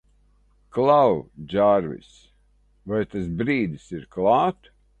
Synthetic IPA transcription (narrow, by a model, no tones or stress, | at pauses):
klˠawd͡ʒaɾvʲḭs | vajt̪asbɾiːd̪isiɾklˠɑːt̪